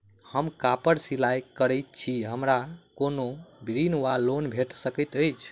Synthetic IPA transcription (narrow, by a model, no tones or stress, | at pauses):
həmkapəɾsilajkəɾəjt̪̚t͡ʃʰiɦəmɾakonobɾinwalonbʱeʈsəkət̪əjt͡ʃʰ